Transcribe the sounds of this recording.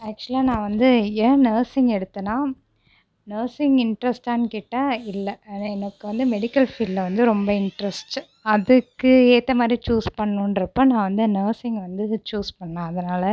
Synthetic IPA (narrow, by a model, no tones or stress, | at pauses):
æːk̚t͡ʃʊɐlaːnãːʋɐnd̪ɯeːnɐːɾsɪŋɡɛɽɯt̪ːɯnaː | nɐːɾsɪŋɪɳʈɾɛsʈaːnkɪʈːaɪlːɐɛnɐkːɯʋɐnd̪ɯmɛɽɪkːɐlfiːɖlɐʋɐnd̪ɯɾɔmbɐɪɳʈɾɐsʈ | ɐðɯkːɯeːt̪ːɐmaːd̪ɾit͡ʃuːspɐɳːũːnɖɾɐpːonãːʋɐnd̪ɯnɐːsɪŋɡʋɐnd̪ɯt͡ʃuːspɐɳːãːɐðɐnaːlɐ